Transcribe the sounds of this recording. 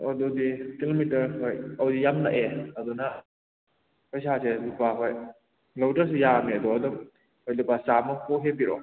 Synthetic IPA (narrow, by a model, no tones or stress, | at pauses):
odɔdikilomitɐɾɦojɐwdijamna̰ʔeɐduna | pojsaselupaɦoj | lawtəɾs̬ujamedɔɐdɔ | hojlupasamɔhoɦebiɾɔ